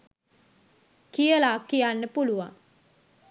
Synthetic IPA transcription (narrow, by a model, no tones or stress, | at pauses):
kijəlaːkːijanːəpuluʋa̰ŋ